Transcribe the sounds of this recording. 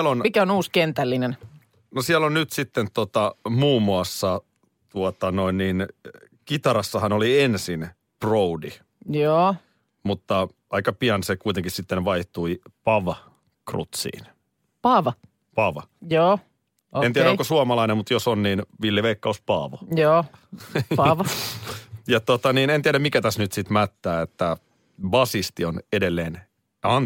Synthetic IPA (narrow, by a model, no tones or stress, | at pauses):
lonmikæonuːskent̪ælːinen | nosiɛlonnyt̪sit̪ːent̪ot̪ɑmuːmːuɑsːɑ | t̪uot̪ɑnoinniːn | kit̪ɑɾɑsːɑhɑnoliensin | proudi | joː | mut̪ːɑ | ɑikɑpiɑnsekuit̪eŋkissit̪ːenʋɑiht̪uipɑʋɑ | krṵt̪sḭːn | pɑʋɑ | pɑʋɑjoː | ent̪iæɾækosuɑmɑlɑinemmut̪josonniːnʋilːjeʋeikːɑuspɑːʋojoː | pɑʋ | jɑt̪ot̪ɑniːnent̪iæɾæmmikæt̪æsnyt̪sit̪mæt̪ːæːet̪ːæ | bɑsist̪ionedelːeːn | ɑn